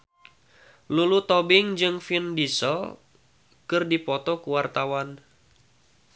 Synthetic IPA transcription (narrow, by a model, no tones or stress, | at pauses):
lulut̪ɔbɪŋd͡ʒɨŋfindisə̰l | kɨrdipɔt̪ɔkuwart̪awan